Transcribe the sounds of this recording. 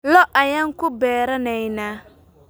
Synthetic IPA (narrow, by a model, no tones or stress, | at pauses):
lɔʔajaŋkʊbɛːɾanɛina